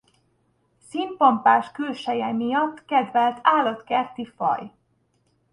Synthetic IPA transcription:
sint̪̚pɒmpaːʃkylʃɛjɛmijɒt̪ːkɛd̪vɛlt̪ʰaːlɒt̪kɛrt̪ifɒ̰j

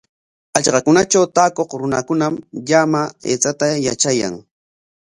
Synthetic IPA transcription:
aʎɢɑkʊnat͡ʃawt̪aːkoqɾʊnakʊnamʎamaḛːt͡sat̪aja̰t͡ʃaja̰ŋ

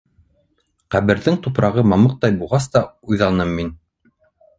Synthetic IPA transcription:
qæβɘ̆ɾðɘŋt̪upɾɑʁɤmɑmɤq̚t̪ɑjbulˠʁɑst̪ɑujðɑnɤmːin

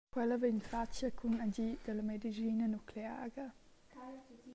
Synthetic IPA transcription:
kwɛlɐveɲfat͡ʃəkʰunaɟid̪̥əlɐmed̪izinənukʰlea̰ːɡə

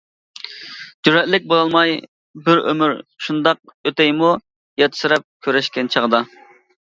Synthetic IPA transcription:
d͡ʒyɾɛt̪lɪk̚ʲbolˠɑlˠmɑj | bɪɾø̰myɾʃund̪ɑq̚øt̪ɛjmu | jɑt̪ʰɨ̥sɨɾɛp̚kʲʰøɾɛʃkʲɛnt͡ʃʰəʁd̪ɑ

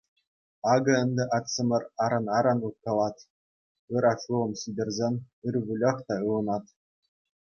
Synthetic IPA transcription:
ɑɡɤ̆ɘ̆nʲd̪ʲɘ̆ʔɑt̪sɤ̆mʲɤ̆rɑɾɤ̆nɑɾɑnut̪̚kɑlˠɑt̪ʲ | ɯɾɑʂulˠɤ̆mɕidʲɘ̆rʲzʲenʲ | ɯrʋʲulʲɤ̆χt̪ɑɯlˠɤ̆nɑt̪

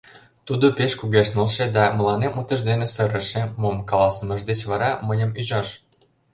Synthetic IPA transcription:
t̪ud̪opeʃkuɣeʃnəlʃed̪ɑmə̆lɑnemut̪ə̆ʒd̪enesəɾə̆ʃemomkɑlɑsəməʒd̪et͡ɕβɑɾɑməjə̆myʑɑʃ

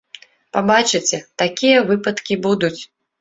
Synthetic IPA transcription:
pabat͡ʂɨt͡sʲɛt̪akʲijɐvɨpɐt̪kʲibud̪ut͡sʲ

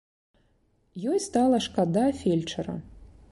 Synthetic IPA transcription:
jojst̪alˠɐʂkad̪afʲelʲt͡ʂʰɐɾɐ̰

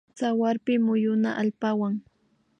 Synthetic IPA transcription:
t͡sawaɾpɪmʊjʊna̰ʔalpawaŋ

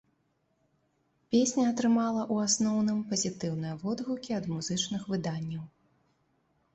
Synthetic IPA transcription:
pʲesʲnʲɐːt̪ɾɨmalˠɐʔuasnɔwnɨmpɐzʲit̪ɨwn̪ɨjɐvɔd̪ɣukʲiɐd̪muzɨt͡ʂnɨxvɨd̪anʲːɐw

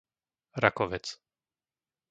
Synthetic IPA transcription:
ɾakɔʋɛt͡s

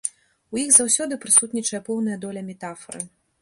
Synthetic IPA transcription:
ujiɣzawsʲɔd̪ɨpɾɨsut̪nʲit͡ʂɐjɐpɔwnɐjɐd̪ɔlʲɐmʲɛt̪afɐɾɨ

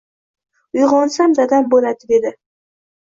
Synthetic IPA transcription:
ʊjʁɒnsamzad̪ambolad̪ɪd̪e̞d̪ɪ

